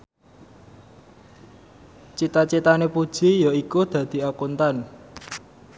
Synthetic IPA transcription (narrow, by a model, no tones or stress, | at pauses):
t͡ʃit̪at͡ʃit̪anepud̥ʒ̥i̤jɔikud̪̥ä̤d̪̥i̤akunt̪an